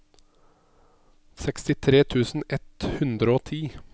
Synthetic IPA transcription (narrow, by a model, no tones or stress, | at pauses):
sɛkst̪ɪt̪ʰɾeːt̪ʰʉːsn̩ɛt̪hʉnd̪ɾəoːt̪ʰiː